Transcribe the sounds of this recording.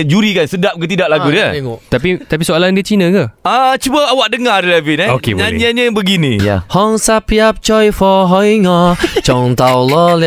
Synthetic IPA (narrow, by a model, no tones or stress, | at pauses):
d͡ʒuɾikansədap̚kət̪idaʔ̚laɡudiət̪apit̪apisoalandiət͡ʃinə̃kəat͡ʃubəawaʔ̚dəŋailɛvinaokḛbaaɲəbəɡinĩjahɔŋsapiap̚t͡ʃɔjfɔɦɔjŋɔt͡ʃɔŋt̪awlɔl